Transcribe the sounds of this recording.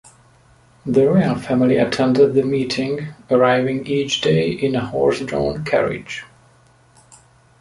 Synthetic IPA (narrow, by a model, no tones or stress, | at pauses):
ðəɹeɪəlˠfæmɪliətʰɛ̃ndəd̪̚ðəmiːtʰɪ̃ŋəɹaɪvɪ̃ŋiːt͡ʃd̥eɪʔɪ̃nəhɔ̰ɹsdɹõ̰ʊ̃nkʰæ̰ɹɪ̰̥d͡ʒ